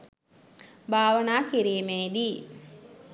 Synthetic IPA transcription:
bʱaːʋənaːkiɾiːmeːd̪i

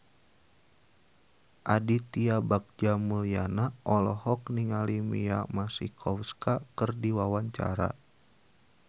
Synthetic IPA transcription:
ʔadit̪iabak̚d͡ʒamulianaʔɔlɔhɔkniŋalimḭamasikʰɔfskakɨrdiwawaɲt͡ʃa̰ɾa̰

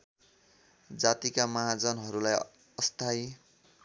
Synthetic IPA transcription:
d͡zat̪ikamʌɦad͡zʌnɦʌɾulaj | ʌst̪ʰaj

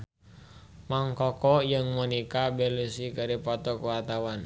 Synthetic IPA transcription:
maŋkɔkɔjəŋmɔnikabɛlusikəɾipɔt̪ɔkuwart̪awan

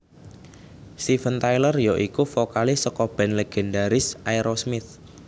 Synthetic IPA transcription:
st̪ifənt̪ajlərjoʔikufɔkalɪsəkɔb̥ɛ̤nleɡ̥ɛndaɾɪsʔajɾosmɪt̪̚

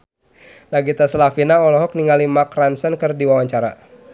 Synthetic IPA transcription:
naɡit̪asalafinaɔlɔɦɔk̚niŋalimakransənkɨrdiwawaɲt͡ʃaɾa̰

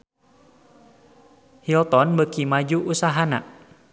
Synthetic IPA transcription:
hilt̪ɔnbəkimad͡ʒuʔusaɦana̰

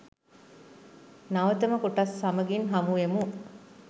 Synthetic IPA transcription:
nɐʋət̪əməkuʈɐsːɐmɐɡinɦɐmuemu

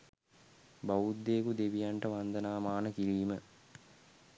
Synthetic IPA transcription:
baud̪ːeːkud̪eʋijaɳʈəʋand̪ənaːmaːnəkiliːmə

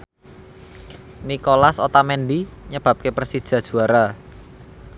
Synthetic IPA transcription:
nikolasot̪amɛnd̪iɲəb̥a̤p̚kepərsid̥ʒ̥ä̤d̥ʒ̥ṳaɾa

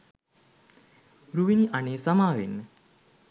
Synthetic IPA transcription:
ɾuʋiniʔaneːsamaːʋenːə

